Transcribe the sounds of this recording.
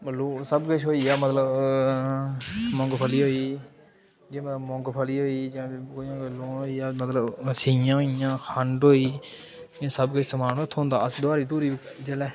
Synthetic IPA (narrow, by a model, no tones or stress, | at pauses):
məloːsəbkət͡ʃʰɦoːiːaːmət̪ləb | mɔ̃ŋɡpʰəliːɦoːiː | d͡ʒẽːmələbmɔ̃ŋɡpʰəliːɦoːiːd͡ʒãːkojãːɡəlːõːɦoːiːaːmət̪ləbsijãːɦoijãːkʰəɳɖɦoːiː | ãːsəbkət͡ʃʰsəmaːnot̪ʰːõːnd̪aːəsd̪aːɾiːt̪uːɾiːd͡ʒəlɛː